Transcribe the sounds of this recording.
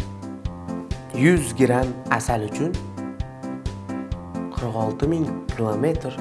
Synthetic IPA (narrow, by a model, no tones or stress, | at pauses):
jʊzɡʲɾamasalʊt͡ʃʰʊn | qʰɨɾqɒlˠt̪ʰɪmɪŋkʲʰilˠome̞t̪ɾ